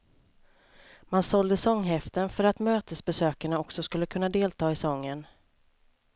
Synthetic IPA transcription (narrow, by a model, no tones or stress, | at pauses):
mansɔld̪əsɔŋːɦɛft̪ənfœɾat̪møːt̪əsbɛsøːkaɳaɔksɔskɵlːəkʰɵnːad̪eːlt̪ʰɑːɪsɔŋːən